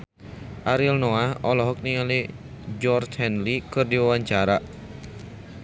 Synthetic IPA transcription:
ʔaɾilnoaɔlɔɦɔk̚niŋali | d͡ʒɔrt͡ʃhɛnlikɨrdiwawaɲt͡ʃaɾa

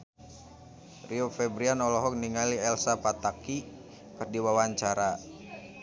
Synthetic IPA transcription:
riofɛbɾianɔlɔɦɔk̚niŋaliɛlsapat̪aki | pərdiwawaɲt͡ʃaɾa

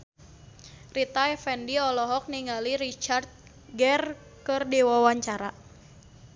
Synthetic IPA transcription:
rit̪aɛfɛndiɔlɔɦɔk̚niŋaliɾit͡ʃart̪̚ | ɡɛr | kɨrdiwawaɲt͡ʃaɾa

